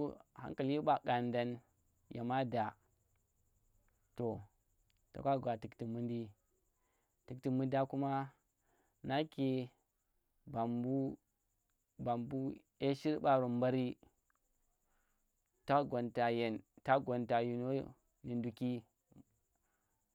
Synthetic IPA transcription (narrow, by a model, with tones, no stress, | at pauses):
ha̰˦ŋ˦ka˨li˦ɓa˨ka˨nda˦n | ja̰˨ma˦da˨ | to˨ | ta̰˨ka˦ɡʷa˨ti˨kti˨mu˦ndi˦ | ti˨kti˨mu˦nda˦ku˦ma˦ | na˦ke˨ | ba˨mbu˦ | ba˨mbu˦ | e˦ʃi˦ɾɓa˨ɾo˨mba˦ɾi˦ | ta˦ɡo˨nta˨je˨nta˦ɡo˨nta˨ju˨no˦ | ni˨ndu˨ki˦